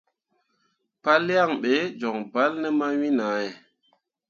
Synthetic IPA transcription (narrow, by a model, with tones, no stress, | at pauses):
pa˦lːi˦a˦˨ŋɓe˨˦d͡ʒo˨ŋba˦lnə˦ma˦wi˦na˨˦e˨